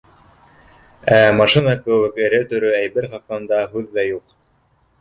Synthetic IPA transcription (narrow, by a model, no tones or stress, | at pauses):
æmɑʃɨnɑkɵ̆wɘkɘ̆ɾɘt̪ɵ̆ɾɵæjbɘɾχɑqɑnd̪ɑɦʉðːæjuq